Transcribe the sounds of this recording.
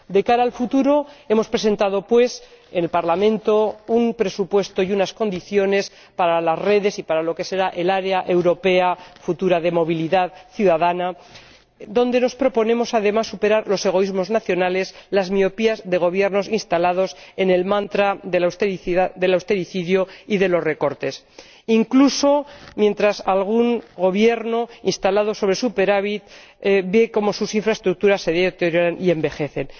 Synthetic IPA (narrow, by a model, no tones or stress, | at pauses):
d̪e̞kaɾaːlfut̪uɾo̞e̞mo̞spɾe̞se̞nt̪að̞o̞pwe̞s | enelpaɾlamẽ̞nt̪o̞umpɾe̞supwe̞st̪o̞iunasko̞nd̪iθjo̞ne̞s | paɾalasre̞ð̞e̞sipaɾalo̞ke̞se̞ɾaʔe̞laɾe̞aʔe̞wɾo̞pe̞afut̪uɾaðe̞mo̞β̞iliðaðθjuðaðana | ðo̞nd̪e̞no̞spɾo̞po̞ne̞mo̞saðe̞masːupe̞ɾaɾlo̞se̞ɣ̞o̞izmo̞znaθjo̞nale̞slazmio̞piazðe̞ɣo̞βje̞ɾno̞sinst̪alað̞o̞se̞ne̞lmãnt̪ɾaðst̪iðe̞lawst̪e̞ɾiθiðjoiðe̞lo̞zre̞ko̞ɾt̪e̞s | iŋkluso̞mje̞nt̪ɾasalɣ̞uŋɡo̞β̞je̞ɾnoinst̪alað̞o̞so̞β̞ɾesupe̞ɾaβit̪ | be̞ko̞mo̞susiɱfɾaest̪ɾuk̚t̪uɾasːe̞ðet̪eɾoɾanie̞mbe̞xe̞θe̞n